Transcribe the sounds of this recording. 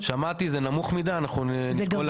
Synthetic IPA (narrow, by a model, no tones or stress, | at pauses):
ʃamat̪izenamuχmid̪aːnaχnunikol